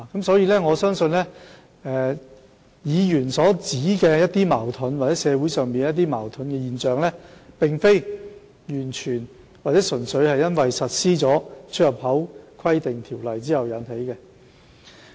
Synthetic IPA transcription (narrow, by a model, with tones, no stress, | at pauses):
a˨kɐ˨˥msɔː˨˥jiː˨˧lɛː˥ŋɔː˨˧sœː˥ŋsɵ˧nlɛː˥ | ɛː˨˧ | jiː˨˧jyː˨˩nsɔː˨˥t͡siː˨˥kɛː˧jɐ˥t̚t̪iː˥maː˨˩wt̪ʰɵ˨˥nwaː˨˩t͡sɛː˨˥sɛː˨˧wuː˨˥jsœː˨˩ŋmiː˨njɐ˥t̪̬ːiː˥ma̰ː˨˩wt̪ʰɵ˨˥nkɛ˧jiː˨nt͡ʃœː˨ŋlɛː˥pɪ˨ŋfe˥j | jyː˨˩nt͡ʃʰyː˨˩n | waː˨t̚t͡sɛ˨˥sɵ˨˩nsɵ˨˧ɥhɐ˨jɐ˥nwɐ˨jsɐ˨t̚siː˥t͡sɔː˨˥t͡ʃʰɵ˥t̚jɐ˨p̚hɐ˨˥wkʰɐ˥jt̪ɪ˨ŋt̪ʰiː˨˩wlɐ˨˩jt͡siː˥hɐ˨wjɐ˨˧˥nɦe˨˥jkɛː˧